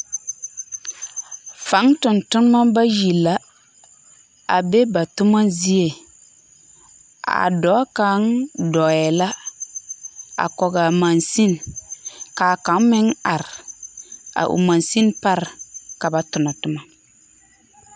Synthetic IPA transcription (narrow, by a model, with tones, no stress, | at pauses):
fa˨˦ŋtʊ˨ntʊ˦n˦ma˦ba˦ji˨la˦ | a˨be˦ba˨tʊ˦ma˦zi˦e˨ | a̰˨dɔ˨˦ka˨˦ŋdɔ˨ɛ˨la˦ | a̰˨kɔ˨ɡa˨mã˨nsi˦n | kaː˨ka˨˦n˦mɪ˦ŋa˨ɾ | a̰˨ʔṵ˨ma˨nsi˦npa˦ɾka˨ba˨tʊ˨na˨tʊ˦ma˨